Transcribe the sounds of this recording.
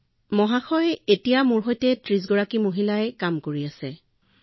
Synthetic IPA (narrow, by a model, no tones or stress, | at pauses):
mɔɦaxʰɔjetijamuɹɦojtɛtɹiz̬ɡɔɹakimoɦilaɛkamkoɹiasɛ